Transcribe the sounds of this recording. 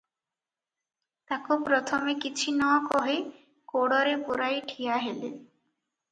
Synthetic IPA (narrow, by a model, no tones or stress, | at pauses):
t̪akopɾɔt̪ʰɔmekit͡ɕʰinɔkɔɦe | koɽɔɾepuɾajʈʰijaɦelḛ